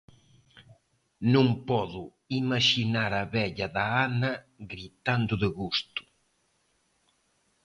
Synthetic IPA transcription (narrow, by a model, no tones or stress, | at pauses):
nũŋpɔðʊ | imaʃinaɾaβɛʎɐðaanɐ | ɣɾit̪and̪ʊðɪɣust̪ʊ̥